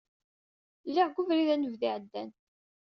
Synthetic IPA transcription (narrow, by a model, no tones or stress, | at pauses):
lːiʁɡʷuvɾiðænəvðiʕəd̪ːæn